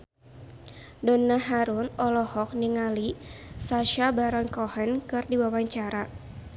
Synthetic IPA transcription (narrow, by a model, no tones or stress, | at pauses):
dɔnaɦaɾunɔlɔhɔk̚niŋalisaʃabaɾɔnkɔhɛnkɨrdiwawaɲt͡ʃaɾa